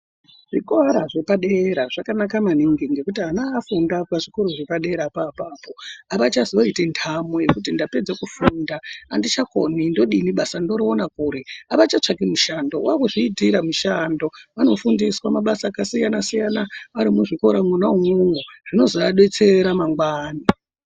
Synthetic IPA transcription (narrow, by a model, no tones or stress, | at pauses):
ʐ̥ikaɾaʐe̞paɗeɾaʐakanakamaniŋɡiŋɡe̞kutianaːfundapaʐikoɾoʐe̞paɗe̞ɾapaːpaːpo̞aʋat͡ʃazioitentʰamoje̞kut̬indape̞d͡zekufundaːndit͡ʃakonindo̞ɗiniɓasando̞ɾionakuːɾeaʋat͡ʃat͡ʂakimuʃandouakuʐiːdiɾamuʃando̞ʋano̞fundiswamaɓasaːkasijanasijanaaɾimuʐikoɾamwunaumuŋɡoʐ̥ino̞zoaɗe̞t͡se̞ɾamaŋɡwaːni